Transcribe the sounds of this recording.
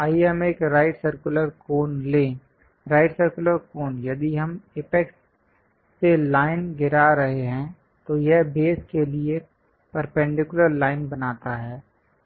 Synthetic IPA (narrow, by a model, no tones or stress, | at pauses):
aːiɐmẽːkɾaːɪʈsəɾkʊləɾkoːnlẽː | ɾaːɪʈsəɾkʊləɾkoːnjɐd̪iɦɐmɪpɛksː | elaːɪnɡɪɾaɾɐɦeɦɛ̃ | t̪ojɛɦbeːskelie | pɐɾpɛ̃ɳɖɪkʊləɾlaːɪnbɐnaːt̪aɦɛː